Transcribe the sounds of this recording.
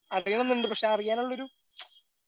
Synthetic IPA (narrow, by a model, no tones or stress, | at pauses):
ɐɾijɐɳɐnːiɳɖɨpɐkʂeaːrikʲːaːnuɭːɐo̞ɾu